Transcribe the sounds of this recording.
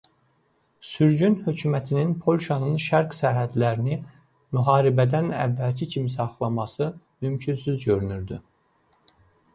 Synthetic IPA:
syɾɟynhø̞cʰyːmæt̪ʰininpʰo̞lʲʃɑnɯnʃæɾksæɾɦæd̪læɾini | myɦɑːɾibæd̪ænæ̰vːælcʰicʰimisɑχlˠɑmɑsɯ | mymcʰynsyzɟø̞ɾynyɾd̪y̰

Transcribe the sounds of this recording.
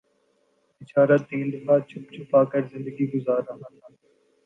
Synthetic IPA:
ɪt͡ʃaːɾat̪ːĩːnd̪əfaːt͡ʃʰʊp̚t͡ʃʰʊpaːkəɾzɪ̃nd̪əɡiːɡʊzaːɾɐɦaːt̪ʰaː

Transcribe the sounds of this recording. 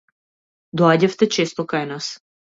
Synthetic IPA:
d̪ɔaɟaft̪ɛt͡ʃɛst̪ɔkajnas

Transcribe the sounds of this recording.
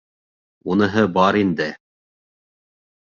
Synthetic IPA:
unɤ̆ɦɤbɑɾind̪ɘ

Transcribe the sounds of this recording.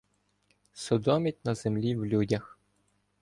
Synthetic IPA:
sɔd̪ɔmʲit̚ʲnɐzemlʲiwlʲudʲɐx

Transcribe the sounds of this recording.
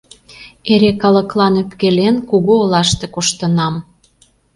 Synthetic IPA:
eɾekɑlə̆klɑnøpkelenkuɣoːlɑʃt̪ĕkoʃt̪ə̆nɑm

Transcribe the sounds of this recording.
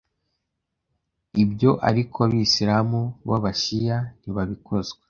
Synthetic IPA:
ibjo̞ʔa̰ɾikʰoaβisiɾamuβaβaʃijan̥iβaβiko̞zɡwe

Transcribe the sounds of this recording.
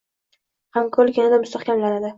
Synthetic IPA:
hamkʰɵlkʲanad̪amʊst̪ʰɑχkʲʰamlaɾad̪ɪ

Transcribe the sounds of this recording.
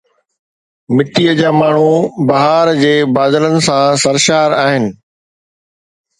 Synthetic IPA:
mɪʈiəd͡ʑaːmaːɳ̤ubɐɦaːɾd͡ʑeːbaːd̪ələnɪ̆sãsɐɾʃaːɾaːɦɪnɪ̆

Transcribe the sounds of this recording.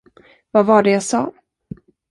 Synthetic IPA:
vavaɖɛjasɑ̰ː

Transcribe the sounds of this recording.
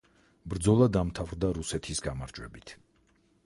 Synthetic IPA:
bɾd̪zɔlˠad̪amt̪ʰavɾd̪aɾusɛt̪ʰisɡamaɾd͡ʒwɛbit̪ʰ

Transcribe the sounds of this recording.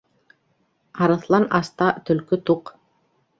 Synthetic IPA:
ɑɾɤ̆θlˠɑnɑst̪ɑt̪ɵ̆lkɵt̪uq

